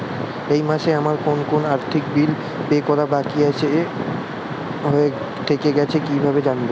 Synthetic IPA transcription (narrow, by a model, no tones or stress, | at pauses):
ejmaʃeamaɾkonkonaɾt̪ʰikbil | pekɔɾabakiat͡ɕʰe | ɦoe | t̪ʰekeɡɛt͡ɕʰekibʱabed͡ʑanbe